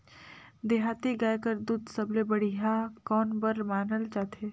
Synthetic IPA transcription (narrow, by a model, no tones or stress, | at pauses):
d̪eɦaːt̪eɡaːjkəɾd̪uːd̪səblebəɽ̤iɦakɔːnbəɾmaːnəlt͡ʃaːt̪ʰeː